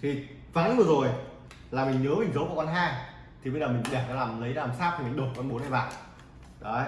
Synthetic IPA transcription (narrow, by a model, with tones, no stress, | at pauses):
t̪ʰi˨˩ | vaː˨˦vɨ˨˩zo˨˩j | laː˨˩mi˨˩ŋ̟əː˨˦mï˨˩ŋ̟zə˨˦wku˧˩kɔ˧nɦaː˧j | t̪ʰi˨˩ɓə˧jzəː˨˩mï˨˩ŋ̟ɗɛ˧˩t͡ɕɔ˧laː˨˩mlə˨˦jaː˧˨˩msaː˦˥p̚t̪ʰi˨˩mï̟˨˩ɗo˨˩kɔ˧nɓo˨˦nha˧˩va̰ː˧˨ʔ | ɗɔ˨˦